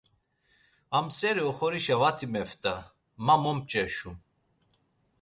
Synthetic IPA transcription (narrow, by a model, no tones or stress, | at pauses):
amsɛɾiɔχɔɾiʃavat̪ʰimɛft̪ʼa | mamɔm̚t͡ʃʼɛʃu